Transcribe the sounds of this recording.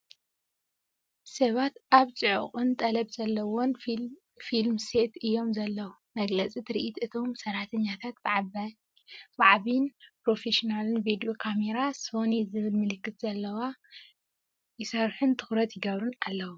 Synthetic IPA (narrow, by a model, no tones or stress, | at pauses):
sɐβat̪ʔaβt͡sʼɨʕo̰qʼɨnt̪ʼɐlɐbzɐlːɐwon | filmse̞t̪ʰɨjːo̞mzɐlːɐwu | mɐɡlɐt͡sʼit̪ʰɨɾiʔit̪ɨt̪ʰo̞msɐɾat̪ʰɐɲːat̪ʰat̪bɨʕ | baʕaβinpɾo̞feʃinalɨnbed̪iokʰame̞ɾaso̞nezɨβɨlmɨlɨkːɨt̪z̥ɐlːɐwa | jɪsɐɾħunt̪ʰɨ̥xɾɐt̪jɪɡɐβɾunalːɐwu